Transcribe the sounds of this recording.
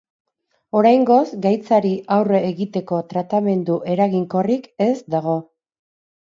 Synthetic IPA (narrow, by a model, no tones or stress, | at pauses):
o̞ɾajŋɡo̞zɡajt͡saɾiʔawreːɣit̪e̞ko̞t̪ɾat̪ame̞nd̪uʔe̞ɾaɣiŋko̞rike̞zd̪aɣ̞o̞